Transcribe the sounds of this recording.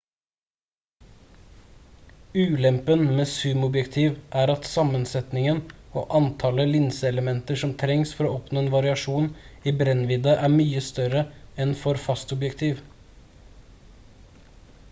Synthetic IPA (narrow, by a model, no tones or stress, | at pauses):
ʉːlɛmpənmeːsʉmʊbjɛkt̪ʰiːʋʔæːɾɑt̪sɑmənsɛt̪nɪŋəno̰ːʔɑnt̪ʰɑləlɪnsəɛləmɛnt̪əʂɔmt̪ʰɾɛŋsfɔɾoːʔɔpnoːeːnʋɑɾɪɑʂuːniːbɾɛnʋɪd̪ɑʔæːɾmyːəst̪œɾəɛnfɔɾfɑst̪ʊbjɛkt̪ʰiːʋ